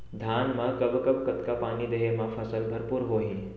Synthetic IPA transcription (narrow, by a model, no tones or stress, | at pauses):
d̪ʱaːnmɐkɐbkəb̚kɐt̪kapaːniːd̪eɦemafʰɐsəlbʱɐɾpuːɾɦoːɦi